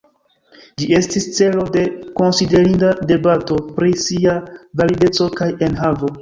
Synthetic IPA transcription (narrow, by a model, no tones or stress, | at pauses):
d͡ʒie̞stist͡se̞lo̞de̞ko̞nside̞ɾindade̞bato̞pɾisiavalide̞t͡so̞kajenɦavo̞